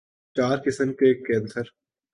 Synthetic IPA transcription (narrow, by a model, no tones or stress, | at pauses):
t͡ʃaːɾkɪsəmkeːkːẽːnsəɾ